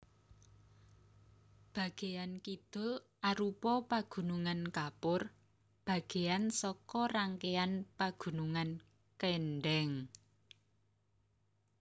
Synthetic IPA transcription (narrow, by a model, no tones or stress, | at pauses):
b̥ä̤ɡ̥e̤jankid̪̥ʊ̤l | ʔaɾupɔpaɡ̥ṳnuŋankapʊr | b̥ä̤ɡ̥e̤ansɔkɔraŋkeanpaɡ̥ṳnuŋan | kenɖɛŋ